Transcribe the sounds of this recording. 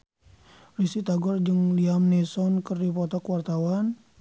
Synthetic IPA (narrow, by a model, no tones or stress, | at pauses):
risit̪aɡɔrd͡ʒɨŋliamnɛsɔnkɨrdipɔt̪ɔkwart̪awan